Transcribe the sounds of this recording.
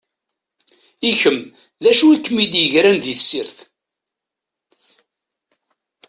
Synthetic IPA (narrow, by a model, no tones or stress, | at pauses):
içəm | ðæʃuikːəmid̪jəʝɾænðiθsːiɾθ